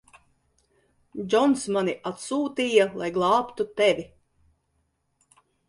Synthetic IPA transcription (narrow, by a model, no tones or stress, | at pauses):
d͡ʒɔnsmaniʔat̪suːt̪iːjalˠajɡlˠɑːpt̪ut̪ɛvʲi